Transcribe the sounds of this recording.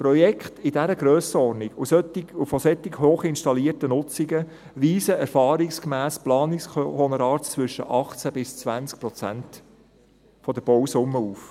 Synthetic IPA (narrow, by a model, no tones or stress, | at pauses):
pɾɔjɛkχt̪ɪdæɾəɡɾøːsəɔɾnikʊsøtɪʊfɔsɛt̪ːɪɡɦoːχɪnʃtɑliːərtənʊt͡siɡə | riːzəɛɾfɑːɾɪkskmæːsplɑːnɪksχɔnəɾɑːɾtt͡sʋʏʃə̰ʔɑχt͡sæbɪst͡sʋænt͡sk̚pɾɔt͡sæ̰nt | fɔd̪əb̥ɔwsʊmːəuːf